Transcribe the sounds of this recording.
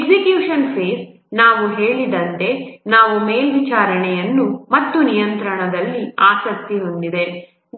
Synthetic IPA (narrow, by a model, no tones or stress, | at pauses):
ɡsikjuːʂɐnpʰe̞ːs | naːʋuɦe̞ːɭid̪ɐnt̪e̞naːʋumeːlʋit͡ʃaːɾɐɳɛjɐnːumɐt̪ːunijɐnt̪ɾɐɳɐd̪ɐlːiaːsɐk̚t̪iond̪id̪e̞